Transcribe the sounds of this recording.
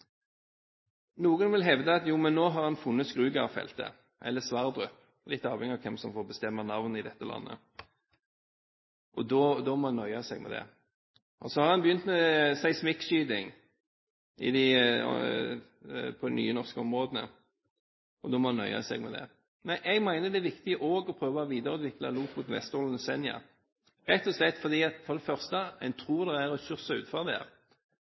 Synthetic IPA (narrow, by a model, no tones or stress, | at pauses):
nuːɡənʋɪlɦɛʋd̪əɑt̪juːmɛnːoːɦɑʁhɑnfʊnːət̪skʁʉːɡɑfɛ̰lt̪ə̰ | ʔɛlːəsʋɑʁd̪ʁœp | lɪt̪ːɑːʋɛŋɪɑʋkʰɛmsɔmfɔːʁbəst̪ɛmːənɑʋnəɪd̪ɛt̪ːəlʔɑ̰nːə̰ | ʔɔd̪ɔd̪ɔmɔhɑnːœʏɑsɛɡmɛ̰d̪ɛ̰ | ʔɔsɔhɑʁɑnbəjʏnt̪mɛsæɪsmɪkʃyːd̪ɪŋ | ɪ̰d̪ɪ̰ | pʰɔd̪ɛny̰ːənɔʁskəɔmʁoːd̪ənə̰ | ʔɔd̪ɔmɔhɑnœ̰ʏɑ̰sɛ̰ɡmɛd̪ɛ̰ | mɛnʔɛɡmæɪnəd̪ɛæʋɪkt̪ɪəʔoːɡɔpʰʁøːʋɑʋiːd̪əɾʉːd̪ʋɪklɑluːkmʊt̪ʋɛ̰st̪uːlənəsɛnjɑ̰ | ɾɛt̪ːɔslɛt̪ːfɔʁd̪iːɑt̪fɔʁd̪ɛfœʁst̪əæɪnt̪ʰʁuːʁd̪ɛæɾɔçʏʁsɑʉ̰ːt̪fɑʁd̪ɛ̰